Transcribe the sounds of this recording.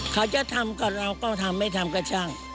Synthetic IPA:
kʰa˧˩t͡ɕa˨˩t̪ʰa˧mka˨˩ɾa˧wkɔː˥˩t̪ʰa˧mːa˥˩jt̪ʰa˧mka˧˩t͡ɕʰaː˥˩ŋ

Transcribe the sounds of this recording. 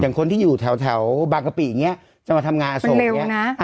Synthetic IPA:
jaː˨˩ŋkʰo˧nt̪iː˥˩juː˨˩t̪ʰɛ˩˦wt̪ʰɛ˩˦wbaː˧ka˧pi˨˩ja˨˩ŋːi˦˥ɐʔ | t͡ɕa˧˩maː˧t̪ʰa˧mŋaː˧nʔa˧sm˧o˧le˧wna˦˥ʔ

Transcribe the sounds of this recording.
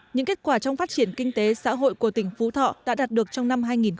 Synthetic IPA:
ɲɨ̰˧˥ŋke˦˥t̚kwaː˧˩t͡ɕɔ˧wŋ͡mfaː˦˥t̚t͡ɕi˧˩ənkï˧ŋ̟t̪e˨˦sa̰ː˧˥ɦo̰˧˨jku˧˩ət̪ï˧˩ŋ̟fu˨˦t̪ʰɔ̰˧˨ɗa̰ː˧˥ɗaː˨˩t̚ɗɨ˨˩ək̚t͡ɕɔ˧wŋ͡mna˧mɦaː˧jŋi˨˩n

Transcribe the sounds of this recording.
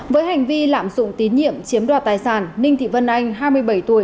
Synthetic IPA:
vəː˨˦jɦa˨˩jŋ̟vi˧la̰ː˧˨mzʊ̰˧˨ŋ͡mt̪i˨˦nɲḭ˧˨əmt͡ɕi˨˦əmɗwaː˧˩t̪aː˨˩jsaː˧˩nːï˧ŋt̪ʰḭ˧˨və˧nʔa˧jŋ̟ɦaː˧jmɨ˧əjɓə˧˩jt̪u˧˩əj

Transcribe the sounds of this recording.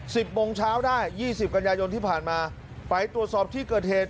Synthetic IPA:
si˨˩p̚mo˧ŋt͡ɕʰaː˦˥wdaː˥˩jːiː˥˩si˨˩p̚ka˧njaː˧jo˧nt̪ʰiː˥˩pʰaː˨˩nmaː˧ | pa˧jt̪ɾu˨˩ət̪̚sɔː˨˩p̚t̪ʰiː˥˩kɤː˨˩t̪̚heː˨˩t̪̚

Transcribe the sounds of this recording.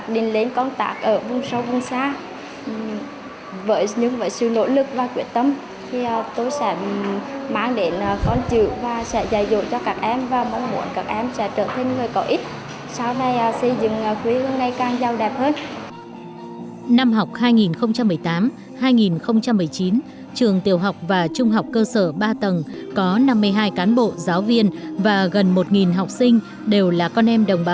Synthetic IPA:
a˨˦˩k̚ɗï˨˩ŋ̟le˨˦nkɔ˧nt̪a̰ː˦˥k̚ʔəː˧˩vʊ˧ŋ͡msə˧wvʊ˧˩ŋ͡msaː˧˨ | vəː˧˨˦jɲɨ̰˧˥ŋvə̰ː˧˦jsɨ̰˧˨no̰˧˥lɨ˨˩k̚vaː˨˩kwḭ˧˩ənt̪ə˧m | t̪ʰi˨˩ʔt̪o˧jsɛ̰˧˥ | maː˨˦ŋɗe˨˦nː˨˩xɔ˨˦nt͡ɕɨ̰˧˨vaː˨˩sɛ̰˧˥zaː˧˩jzṵ˧˨t͡ɕɔ˧kaː˧˩k̚ʔɛ˧mvaː˨˩mɔ˨˦ŋ͡mmṵ˧˩ənkaː˨˩k̚ʔɛ˧msɛ̰˧˥t͡ɕəː˧˩t̪ʰe˧nŋɨ˨˩jkɔ˧˩ʔi˦˥t̚ | saː˧wna˧jsə˧zɨ̰˧˨ŋː˨˩kwi˨˦lə˨˧nna˧jkaː˨˩ŋza˨˩wɗɛ˨˩p̚həː˧n | na˧mɦa˨˩wk͡p̚haː˧jŋi˨˩nxə˧wŋ͡mt͡ɕa˧mːɨ˨˩əjt̪aː˨˦m | haː˧jŋi˨˩nxə˧wŋ͡mt͡ɕa˧mːɨ˨˩əjt͡ɕi˨˦n | t͡ɕɨ˨˩əŋt̪i˨˩əwɦa˨˩wk͡p̚vaː˨˩t͡ɕʊ˧ŋ͡mɦa˨˩wk͡p̚kəː˧səː˧˩ɓaː˧t̪ə˨˩nkɔ˨˦na˧mːɨ˧əjɦaː˧jkaː˨˦nɓo̰˧˨zaː˨˦wvi˧ənvaː˨˩ɣə˨˩nmo˨˩t̚ŋi˨˩nɦa˨˩wk͡p̚sï˧ŋ̟ | ɗe˨˩wlaː˨˩kɔ˧nʔɛ˧mɗə˨˩wŋ͡mɓaː˨˦w

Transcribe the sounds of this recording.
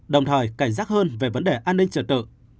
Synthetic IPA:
ɗə˨˩wŋ͡mt̪ʰəː˨˩jka˧˩jŋ̟zaː˦˥k̚həː˧nve˨˩və˨˦nɗe˨˩ʔaː˧nːï˧ŋ̟t͡ɕəː˧˩t̪ɨ̰˧˨

